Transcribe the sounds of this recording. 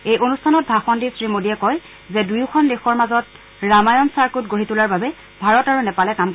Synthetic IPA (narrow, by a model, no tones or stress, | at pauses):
ejʔonustʰanɔt̚bʱaxɔndisɹimodijɛkɔj | zɛdujʊkʰɔndexɔɹmazɔt | ɹamajɔnsaɹkutɡoɹitulaɹbabɛ | bʱaɹɔtaɹunɛpalɛkamk